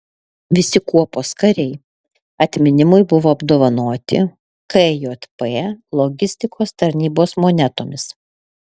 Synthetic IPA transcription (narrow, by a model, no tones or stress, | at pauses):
ʋʲɪsʲɪkuɔpoːskɐɾʲɛɪ | ɐt̪ʲmʲɪnʲɪmʊɪbʊʋoːɐbd̪oːʋɐnoːt̪ʲɪ̰ | kɛjoːt̪ʲpɛːlˠɔɡʲɪsʲt̪ʲɪkʰoːst̪ɐɾʲnʲiːboːsmoːnʲɛt̪oːmʲɪs